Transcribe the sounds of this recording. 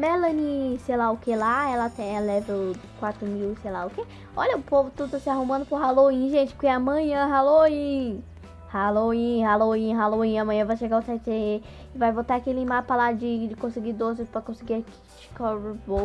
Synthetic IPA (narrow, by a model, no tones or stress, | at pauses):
mɛlɐnisejlaʊkelaɛlɐt̪ẽj̃ɐlɛvekwat̪ɾʊmiwsejlaʊke | ɔʎɐʊpovʊt̪ud̪t̪asɪaɦumɐ̃nd̪ʊpʊɾɦaloĩʒẽt͡ʃɪ̥kẽɐmɐ̃ɲɐ̃ɦaloĩ | haloĩhaloĩɦaloĩɐmɐ̃j̃ɐ̃vajʃeɡawt̪ɛt̪ee | ɪvajbot̪aakilĩmapɐlad͡ʒɪd͡ʒɪkõsiɡid̪ozɪspɾɐkõsiɡiaki̥t͡ʃi̥kɔɾbo